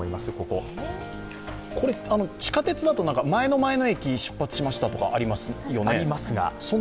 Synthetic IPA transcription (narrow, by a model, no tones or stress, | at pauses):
oimasɨko̞ko̞ | kʰo̞ɾe̞ano̞t͡ɕi̥kat̪e̞t͡sɨd̪at̪oãŋkamae̞no̞mae̞no̞e̞kʲiɕɨ̥pːat͡sɨ̥ɕimaɕi̥t̪at̪o̞ka̰ʔaɾʲimasɨjo̞neimasɨɡa̰sõ